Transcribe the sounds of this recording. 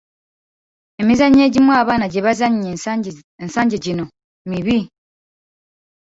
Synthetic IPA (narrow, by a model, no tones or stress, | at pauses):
emizaɲeːɟimwaːβaːnaɟeβazaɲɲe | ensaːɲɟeɟino | miβi